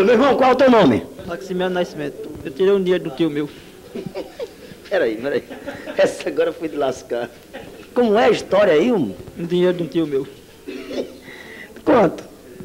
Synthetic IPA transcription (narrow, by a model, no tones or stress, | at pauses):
meiɦmɐ̃w̃kwalɛut̪ewnõmɪ̰maksimɛ̃nnasimẽt̪ewt̪iɾejũd̪iɲejɾd̪ũt̪iumew | pʰɛɾɐipɛɾɐ̰iɛsɐaɡɔɾɐfojd̪ɨlaskaɾ | kõmʊɛɐiʃt̪ɔɾjɐiumũd̪iɲejɾʊd̪ũt̪iumew | kwɐ̃t̪u̥